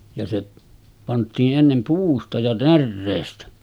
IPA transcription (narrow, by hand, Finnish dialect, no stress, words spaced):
jɑ se pɑntˑiːʔ ʔenːem puːstɑ jɑ nærːeːstæ